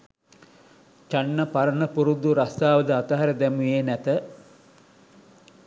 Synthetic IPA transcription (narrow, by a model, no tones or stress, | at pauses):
t͡ʃanːəpaɾənəpuɾud̪uɾast̪aːʋəd̪əat̪əɦaɾəd̪ɛmujenæt̪ə